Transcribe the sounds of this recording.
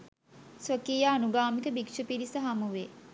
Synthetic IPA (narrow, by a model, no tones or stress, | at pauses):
sʋəkiːjaːnuɡaːmikəbikʃəpiɾisəɦamuʋe